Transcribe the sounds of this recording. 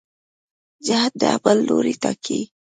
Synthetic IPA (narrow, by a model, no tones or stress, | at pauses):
d͡ʒaɦat̪̚d̪əa̰bəlːoɾit̪akʰi